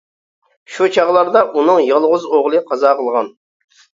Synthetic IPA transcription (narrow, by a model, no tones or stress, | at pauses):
ʃut͡ʃʰɑʁlˠɑɾd̪ɑʔunɨŋjɑlˠʁʊzoʁlˠɨqʰɑzɑːqəlˠʁɑn